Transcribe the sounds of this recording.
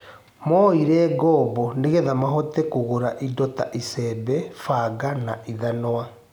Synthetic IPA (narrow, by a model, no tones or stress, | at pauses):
mɔiɾɛɡɔːbɔneɣɛðamaɦɔtɛkoɣoɾaʔidɔta̰ʔisɛbɛfaɡanaʔiðanoa